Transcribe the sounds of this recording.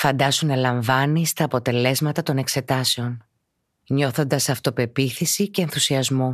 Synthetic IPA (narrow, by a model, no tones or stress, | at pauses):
fɐnd̪ɐsunɐlɐɱvɐnist̪ɐːpo̞t̪e̞le̞zmɐt̪ɐt̪o̞ne̞kse̞t̪ɐse̞o̞n | ɲo̞θo̞nd̪ɐsɐft̪o̞pe̞piθisice̞ːnθusiɐzmo̞